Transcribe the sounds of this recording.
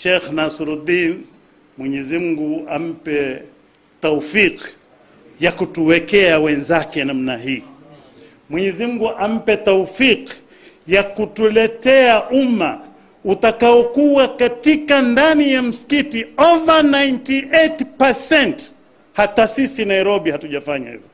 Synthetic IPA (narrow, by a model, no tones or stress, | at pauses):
ʃɛxnasɾud̪in | mwɛɲɛzim̩ɡuam̩pɛ | taufiq | jakutuwɛkɛawɛnzakɛnam̩naɦiː | mwɛɲɛzim̩ɡuʔam̩pɛtaufiq | jakutulɛtɛaʔuma | utakaɔkuwakatikandanijam̩si̥kitiɔvanajntiʔɛtpasɛnt | hatasisinaiɾɔɓihatuʄafaɲa̰hḭvɔ